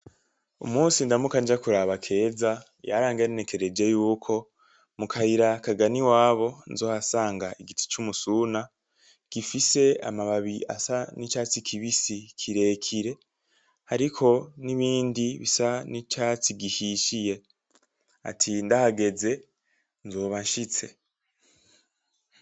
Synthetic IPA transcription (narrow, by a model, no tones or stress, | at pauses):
umuːnsindamukand͡ʒakuɾaβakʰe̞ːza | ja̰ɾaːŋɡenne̞ke̞ɾe̞d͡ʒe̞juːkʰo̞ | mukʰahiɾakaɡaniwaːβo̞nzo̞ːhasaːŋɡaeɡitʰi̥t͡ʃumusuna | ɡ̥ifise̞a̰maβaβia̰sanit͡ʃaːt͡sikʰiβisikʰiɾe̞ːkʰiɾe̞ | haɾikʰo̞niβiːndiβisanit͡ʃaːt͡siɡihiʃije̞ | a̰tʰindahaɡe̞d͡ze̞ | nzo̞ːβanʃit͡se̞